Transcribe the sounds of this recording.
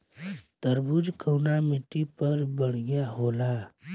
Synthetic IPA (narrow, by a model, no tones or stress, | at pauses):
t̪əɾbud͡ʒkʰəːnamɪʈːipɐɾbəɽ̤̃jaɦoːlaː